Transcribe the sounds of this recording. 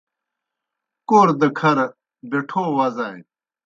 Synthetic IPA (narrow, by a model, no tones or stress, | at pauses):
koːɾd̪ɐkʰɐɾ | beʈʰoːwɐzaːj